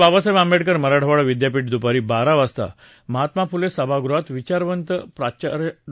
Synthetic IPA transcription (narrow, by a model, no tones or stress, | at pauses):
babasəʋambeʈkəɾməɾaɽ̤əʋaɭəʋid̪japiːʈ̚d̪upaɾiːbaɾaʋast̪a̰ | məɦat̪mapulesəbʱaɡɾuat̪ʋit͡ɕaɾʋənt̪əpɾat͡ɕaɾ